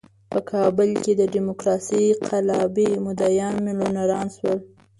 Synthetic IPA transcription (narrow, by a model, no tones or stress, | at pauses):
pəkʰɑbʊlked̪əɖimokɾɑsiqʰalɑbimʊd̪ajɑnmelonaɾɑnswəl